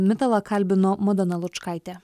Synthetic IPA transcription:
mʲɪt̪ɐlˠɐkɐlʲbʲɪnoːmɔd̪ʲɛnɐlˠʊt͡ʃkɑˑɪt̪ʲɛ

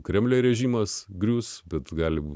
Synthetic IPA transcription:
kɾʲɛmʲlʲɛːɾʲɛʒʲiːmɐsɡɾʲuːsbʲɛt̪ɡɑːlʲɪbuː

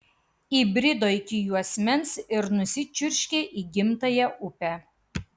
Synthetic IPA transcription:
iːbʲɾʲɪd̪oːɪkʲɪjuːɐsʲmʲɛnsɪɾnʊsʲɪt͡ʃʲʊɾʲʃʲkʲeʔiːɡʲɪmt̪ɐjɛʔʊpʲæ

